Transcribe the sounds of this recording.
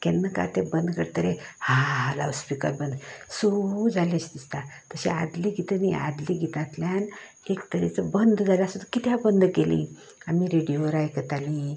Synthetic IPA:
kɛnːəka̰t̪ebənd̪kəɾt̪əɾehala̰ʋspikəɾbənd̪sod͡zʱalet͡ɕd̪ist̪at̪əɕea̰d̪liɡʱit̪ənia̰d̪liɡʱit̪at̪ljan | ekt̪əɾet͡səbənd̪d͡zalasət̪əkit̪jabənd̪kelḭ̃amiɾeɽijoʋəɾajkət̪ali

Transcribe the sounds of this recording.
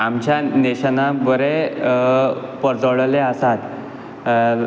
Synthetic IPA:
amt͡ɕjaneɕənabəɾe | pəɾd͡zəɭleəsat̪

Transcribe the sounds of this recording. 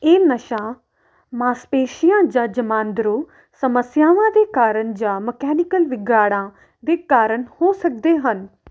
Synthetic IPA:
eːnəʃãː | mãːspeːʃijãːd͡ʒãːd͡ʒəmãːnd̪ɾoː | səməsjaːʋãːd̪eːkaːɾəɳd͡ʒãːməkɛːnɪkəlʋɪɡjaːɽãː | d̪eːkaːɾəɳhoːsək̚d̪eːɦən

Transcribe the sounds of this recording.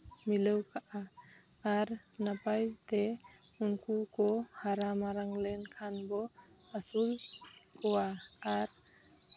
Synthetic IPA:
miləwkaʔaː | ɾ | napajt̪e | unkukɔhaɾamaɾaŋlɛnkʰanbɔ | asul | kɔwaːɾ

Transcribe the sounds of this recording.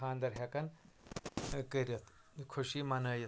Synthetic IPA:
aːnd̪ɐɾɦɐkɐn | kəɾʲɐt̪ʰ | kʰuɕimɐnɐːjɐ

